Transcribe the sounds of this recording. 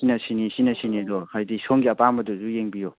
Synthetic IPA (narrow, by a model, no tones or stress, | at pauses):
inɐsinisinɐsinidɔhajdisoŋɡiɐpamɐduzujeŋbijo